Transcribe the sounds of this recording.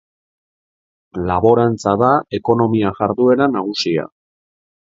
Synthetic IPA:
laβo̞ɾant͡saðae̞ko̞no̞miaʝaɾðue̞ɾanaɣ̞usia̰

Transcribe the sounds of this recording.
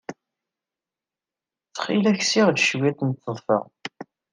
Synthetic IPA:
t͡sːχilæçsiʁlʃwæt̪nt̪ːəðˤfə̰ʁ

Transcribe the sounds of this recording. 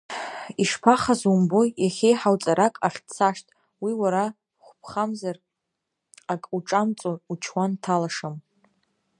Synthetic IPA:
iʂpʰaχazumbo̞jaχʲejħawt͡sʼaɾakʼaχʲt͡sʰaʂtʼ | wiwaɾa | χʷpʰχamzar | akʼuʈ͡ʂʼamt͡sʼout͡ʃʰwantʰalaʂam

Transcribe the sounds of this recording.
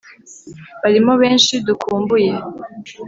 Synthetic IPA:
βaɾimoβe̞ːnʃidukʰuːmbuje̞

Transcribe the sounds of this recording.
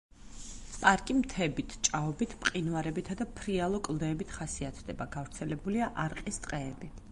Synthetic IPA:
pʼaɾkʼimt̪ʰɛbit̪ʰt͡ʃʼaɔbit̪ʰpʼqʼinvaɾɛbit̪ʰad̪apʰɾialˠɔkʼlˠd̪ɛːbit̪ʰχasiat̪ʰd̪ɛbaɡavɾt̪sʰɛlɛbuliaʔaɾqʼist̪ʼqʼɛːbi

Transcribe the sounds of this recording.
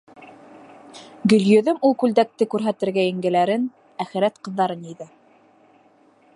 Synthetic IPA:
ɡɵ̆ljɵ̆ðɵmulˠkʉld̪æk̚t̪ɘkʉɾɦæt̪ɘ̆ɾɡæjɘ̆ŋɡɘ̆læɾɘn | æχɘ̆ɾæt̪qɤ̆ðːɑɾɤniðɘ

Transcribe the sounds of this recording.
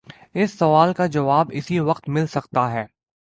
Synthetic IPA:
ɪsːɐʋaːlkad͡ʒɐʋaːbɪsiʋɐqt̪mɪlsɐkt̪aɦɛː

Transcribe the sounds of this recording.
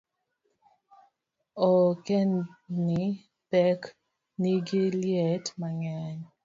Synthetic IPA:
ɔkɛnni | pɛk | niɡiljetmaŋaɲ

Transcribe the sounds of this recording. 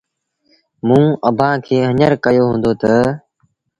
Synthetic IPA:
mũːəbʱãːkʰeːɦəɲəɾkəjoːɦũːnd̪oːt̪ə

